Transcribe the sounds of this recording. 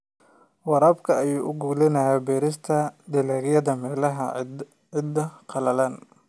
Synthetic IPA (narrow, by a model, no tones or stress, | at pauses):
wɑɾɐːbkʰɐɐjuːʔʊɡuːlɪnɐjaːbɛːɾɪst̪ʰɐd̪ɪlaːɣjɐðɐmɛːlɐɦɐ | ɪd̪ɐqʰɑlɐlaːn